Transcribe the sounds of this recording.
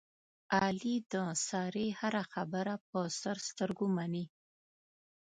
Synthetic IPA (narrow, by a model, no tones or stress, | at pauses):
ɑlid̪əsɑɾehaɾaxabəɾap̚əst̪aɾst̪əɾɡomani